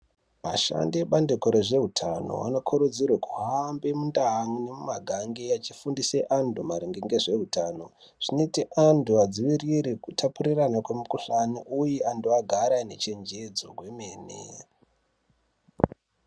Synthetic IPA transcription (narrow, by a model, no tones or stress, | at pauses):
maʃa̰ndiɓandekoɾeʐe̞ɦutʰano̰ʋa̰no̞kʰuɾud͡zirwakuɦambemundaɦŋune̞mumaɡʱaŋɡejat͡ʃi̥fundiseʔandumaɾiŋɡeŋɡe̞ʐe̞ɦutano̞ | ʐ̥inetiʔanduad͡ziʋiriɾekutʰapuɾiranakwe̞mukuɬaniʔujeʔanduaɡʱaɾaine̞t͡ʃe̞nd͡ʒed͡zo̞̰kwe̞me̞ːnḛ